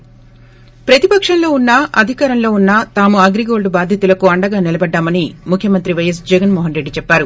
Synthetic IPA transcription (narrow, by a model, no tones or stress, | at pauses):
pɾɐt̪ipɐkʂɐnlo̞ːunːɐʔɐd̪ʱikaːɾɐnlo̞ːunːɐt̪aːmuɐɡɾiɡo̞ːɭɖbaːd̪ʱjɐt̪ulɐkuɐɳɖɐɡaːnilɐbɐɖːaːmɐnimukʰjɐmɐnt̪ɾiʋɐjɐs̬d͡ʒɛɡɐnmɔːɦɐnɾe̞ɖːit͡ʃɛpːaːɾu